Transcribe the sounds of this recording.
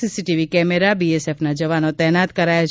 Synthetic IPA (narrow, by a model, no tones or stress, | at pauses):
isiʈiʋikɛmeɾabiesefnad͡ʒəʋanot̪ɛɦnat̪kəɾaja